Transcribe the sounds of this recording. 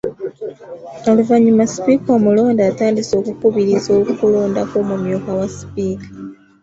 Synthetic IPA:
oluvaɲimasi̥pikamulo̞ːndaːtaːndiso̞ːkukuβiɾizo̞ːlukuloːndakoːmumjokawasi̥piːkḁ

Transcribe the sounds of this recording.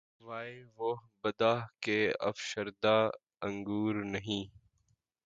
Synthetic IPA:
ʋaːeʋobəd̪aːɦkeːə̰fʃəɾd̪aː | ə̃ŋɡuːɾnəɦĩː

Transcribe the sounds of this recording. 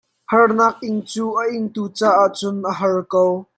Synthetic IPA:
hɐrnaːk̚ʔɪŋt͡suːʔəʔɪŋt̪uːt͡saːʔaʔt͡sʊnʔəɦɐrkow

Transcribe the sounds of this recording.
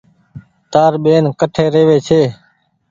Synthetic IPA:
t̪aːɾɓeːnkəʈʰeːɾeːʋeːt͡ʃʰeː

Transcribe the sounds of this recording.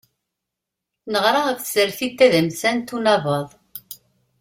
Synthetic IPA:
nəʁɾˤɑəfθsəɾθit̪ːæðəmsænt̪ːunɑvəðˤ

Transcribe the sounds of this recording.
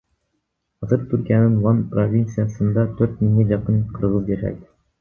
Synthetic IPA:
χɑzɤɾt̪ʰʉɾkʲijanɤɴvɑnprovʲint̪sɨjasɤ̆nd̪ɑt̪ʰɵɾt̪̚miŋɡæjɑqɤɴqʰɤ̆ɾʁɤzjæʃæ̰k

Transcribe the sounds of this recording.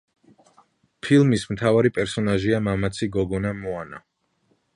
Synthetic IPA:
pʰilˠmismt̪ʰavaɾipʼɛɾsɔnaʒiamamat̪sʰiɡɔɡɔnamɔana̰

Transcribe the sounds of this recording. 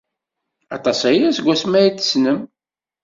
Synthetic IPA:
ɑt̪ˤɑsæjæsɡʷːæsmæjit͡sːə̥snəm

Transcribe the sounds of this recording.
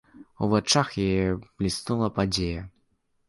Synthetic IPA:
ṵvat͡ʂaxjajɛblʲisnulˠɐpad͡zʲejɐ

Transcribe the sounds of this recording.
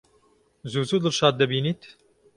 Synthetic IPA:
zuːzuːd̪ɨɾʃɑːt̪̚d̪ɛbiːniːt̪

